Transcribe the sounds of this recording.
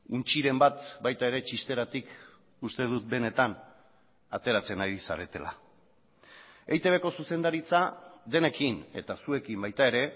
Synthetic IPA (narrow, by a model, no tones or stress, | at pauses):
unt͡ʃiɾe̞mbat̪bajt̪ae̞ɾe̞t͡ʃist̪e̞ɾat̪ik | ust̪e̞ð̞ut̪̚be̞ne̞t̪an | at̪e̞ɾat͡se̞naɾisa̰ɾe̞t̪e̞̰la̰ | ejt̪e̞βe̞ko̞suse̞nd̪aɾit͡saðe̞ne̞kine̞̰t̪asue̞kimbajt̪ae̞ɾe̞